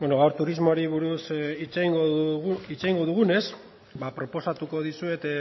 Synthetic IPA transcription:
bwenoɣawɾt̪uɾizmoɾiβuɾusit͡seiŋɡoit͡sejŋɡo̞ðuɣ̞une̞s | bapɾo̞po̞sat̪uko̞ðisue̞t̪

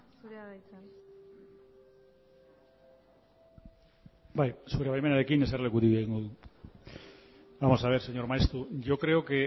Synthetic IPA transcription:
aat̪a | bajsoβɾeβajmenaðekineseɾlekut̪iβeŋuðu | bamo̞saβ̞e̞ɾseɲo̞ɾmaest̪ɾuʝokɾe̞oke

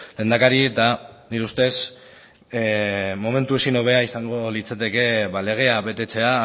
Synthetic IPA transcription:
le̞ːnd̪akaɾiet̪aniɾust̪e̞s | mo̞me̞nt̪ue̞sino̞β̞e̞aisaŋɡo̞lit͡sat̪e̞ke̞βale̞ɣ̞e̞aβe̞t̪e̞t͡se̞a

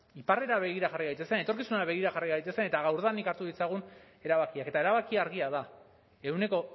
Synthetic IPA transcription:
ipare̞ɾaβe̞ɣiɾaʝariɣajt̪esene̞t̪oɾkisunaβe̞ɣ̞iɾaxariɣajt̪e̞sene̞t̪aɣawɾðanikaɾt̪uðit͡saɣ̞un | e̞ɾaβakiake̞t̪ae̞ɾaβakiaɾɣiaða | e̞wne̞ko̞

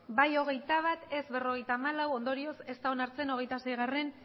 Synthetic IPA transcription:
bajo̞ɣ̞e̞jt̪aβ̞at̪e̞zβe̞ro̞ɣ̞e̞jt̪aːmalawo̞nd̪o̞ɾio̞se̞st̪aonaɾt͡se̞no̞ɣ̞e̞jt̪ase̞jɣ̞are̞n

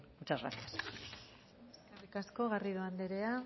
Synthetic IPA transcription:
ut͡ʃara̰t̪itas | eskerikasko̞ɣariðuand̪eɾe̞a

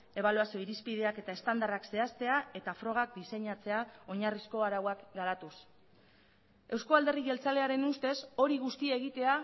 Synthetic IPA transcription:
e̞β̞aluasio̞iɾispið̞e̞ake̞t̪aest̪and̪arakse̞ast̪e̞ae̞t̪afɾo̞ɣ̞ak̚d̪ise̞ɲat͡se̞ao̞ɲarisko̞aɾawakɡaɾat̪us | e̞wsko̞ald̪e̞riɣe̞lt͡sale̞aɾe̞nust̪e̞so̞ɾiɣ̞ust̪iaeɣ̞it̪e̞a

